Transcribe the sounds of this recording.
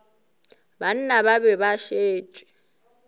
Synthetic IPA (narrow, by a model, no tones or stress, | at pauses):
ban̩nababɛbaʃeːt͡ʃʼɪ̥